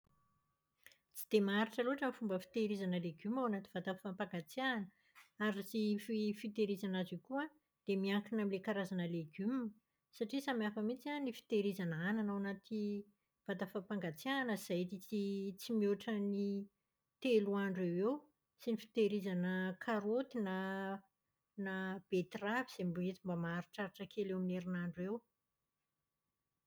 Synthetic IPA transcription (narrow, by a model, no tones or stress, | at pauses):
t͡si̥d̪̥emaɾiʈ͡ʂəluaʈ͡ʂəmfumbəfi̥t̪eɾizanəleɡymawanat̪ivat̪afampaŋɡat͡sianə | aɾisififit̪eɾizanaziukua | d̪̥emiaŋkinamilekaɾazanəleɡym | saʈ͡ʂisamiafəmit͡sianifi̥t̪eɾizanəananawanat̪ʰi | v̥ad̪afapaŋɡat͡sianəz̥ajt̪it͡sit͡simioʈ͡ʂəni | t̪eluaɳɖ͡ʐewew | sinifi̥t̪eɾizanəkʰaɾot̪ina | nab̥et̪raviz̥embet͡s̪imbamaaɾuʈ͡ʂaɾiʈ͡ʂəkʰelewamneɾinaɳɖ͡ʐuew